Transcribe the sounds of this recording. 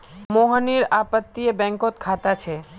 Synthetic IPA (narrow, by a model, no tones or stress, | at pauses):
moɦəniɾapət̪ːiebɛ̃ŋkot̪̚kʰat̪at͡ʃʰe